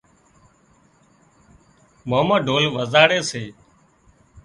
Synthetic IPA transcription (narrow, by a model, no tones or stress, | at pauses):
moməɖʱoːlʋəzaːɽeːseː